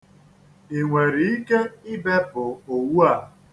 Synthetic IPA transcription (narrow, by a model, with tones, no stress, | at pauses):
i˨ŋʷe˨ɾi˨i˦ke˦ɪ˦be˦bʊ˨o˨wu˦a˦˨